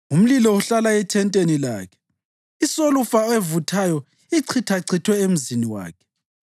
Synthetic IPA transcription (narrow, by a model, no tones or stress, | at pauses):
um̩lilɔuɬalaɛtʰɛntʼenila̰ːkʰɛ̥ | isolufaɛvutʰajɔ | iǀʰitʰaǀʰitʰwɛem̩ziniwa̰ːkʰɛ̥